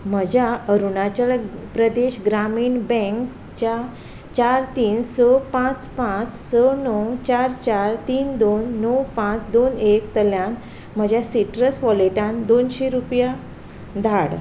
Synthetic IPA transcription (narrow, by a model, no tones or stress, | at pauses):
m̤əd͡ʑʱjaəɾuɳat͡ɕalpɾəd̪eɕɡɾamiːɳbɛ̃ŋk | t͡ɕa | t͡ɕaɾt̪iːnsəpãt͡spãt͡ssənɔwt͡ɕaɾt͡ɕaɾt̪iːnd̪onːɔwpãt͡sd̪onekt̪əljan | m̤əd͡ʑʱjasiʈɾəsʋɔleʈãnd̪onɕeɾupja | d̪ʱaɽ